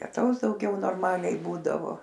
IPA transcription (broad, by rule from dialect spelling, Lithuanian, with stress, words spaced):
lʲiɛˈtɐʊs dɐʊˈɡʲɛʊ noːrˈmɑːlʲɛɪ ˈbuːdɐʋoː